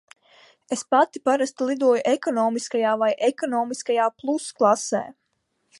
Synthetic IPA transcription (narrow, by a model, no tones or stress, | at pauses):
espat̪ipaɾast̪lˠid̪uɔjuʔekɔnɔːmiskajaːvajʔekɔnɔːmiskajaːplˠusklˠasḛː